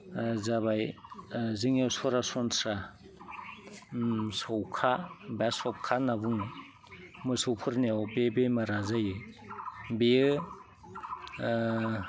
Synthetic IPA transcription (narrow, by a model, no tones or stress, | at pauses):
zaβaj | zɯŋawsɔɾasɔnsɾa | sɔwkʰabasɔp̚kʰanabuŋ | mɯsɯwpʰɯɾnewbebemaɾazajɯ | be